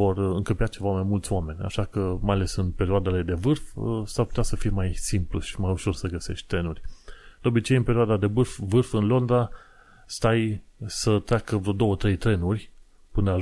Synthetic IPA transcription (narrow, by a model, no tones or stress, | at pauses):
o̞rɨŋkəpiat͡ʃe̞vamajmult̪sʲoame̞nʲa̰ʃakəmajale̞sɨnpe̞ɾioad̪e̞le̞d̪e̞vɨrfsarput̪ʲasəfijemajsimpluʃi̥majuʃo̞rsəɡəse̞̰ʃt̪̚ʲt̪ɾe̞nurʲd̪̥eo̞bit͡ʃe̞jɨnpe̞ɾioad̪ad̪e̞vɨrfvɨrfɨnlo̞nd̪ɾa | st̪ajsət̪ɾʲakəvɾod̪o̞wət̪ɾe̞jt̪ɾe̞nurʲ | pɨnə